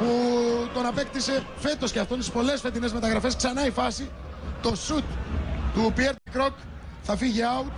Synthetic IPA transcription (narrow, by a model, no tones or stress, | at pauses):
put̪o̞nɐpe̞kt̪ise̞ | fe̞t̪o̞sceɐft̪o̞nt̪ispo̞le̞sfe̞t̪ine̞zme̞t̪ɐɣɾɐfe̞sksɐnɐifɐsi | t̪o̞sut̪ːupieɾt̪ikɾo̞k | θɐfiʝiɐut̪